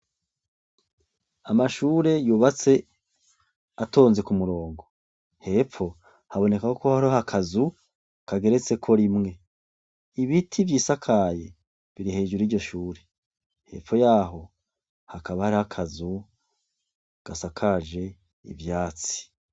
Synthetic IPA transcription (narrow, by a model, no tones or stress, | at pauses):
amaʃuːɾe̞juːβat͡se̞ | ato̞ːnze̞kumuɾo̞ːŋɡo̞ | he̞p͡fo̞ | haβo̞ne̞kakokohaɾohakʰazu | kaɡe̞ɾe̞t͡se̞kʰo̞ɾimŋe̞ | iβitʰivjiːsakʰaje̞ | βiɾihe̞ːʒuɾiːɾɟo̞ʃuːɾe̞ | he̞̰p͡fo̞jaːɦo̞ | hakaβahaɾihakʰazu | ɡ̥asakʰaːʒe̞ | ḭvjaːt͡si̥